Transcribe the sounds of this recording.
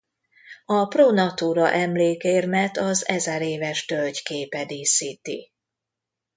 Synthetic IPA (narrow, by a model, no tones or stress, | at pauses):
ɒproːnɒt̪uːɾɒʔɛmleːkeːrmɛt̪ɒzɛzɛɾeːvɛʃt̪ølɟkeːpɛd̪iːsiːt̪ḭ